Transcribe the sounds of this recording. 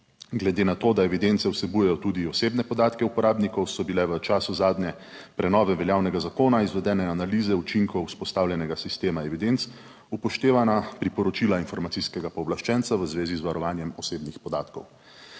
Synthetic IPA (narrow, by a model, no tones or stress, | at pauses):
ɡlɛd̪eːnat̪oːd̪aɛʋid̪ent̪sɛusɛbujɛjɔt̪ud̪iɔseːbnɛpɔd̪aːt̪kɛupɔɾaːbnikɔwsɔbilɛʋət͡ʃaːsuzaːd̪ɲɛ | pɾɛnɔːʋɛʋɛljaːwnɛɡazakoːnaizʋɛd̪ɛːnɛanaliːzɛut͡ʃiŋkɔwuspɔst̪aːwlʲjɛnɛɡasist̪eːmaɛʋid̪ent̪s | upɔʃt̪eːʋanapɾipɔɾɔt͡ʃilainfɔɾmat̪siskɛɡapɔːblaʃt͡ʃɛnt̪saʋəzʋeːzizʋaɾɔʋaːnjɛmɔseːbnixpɔd̪aːt̪kɔw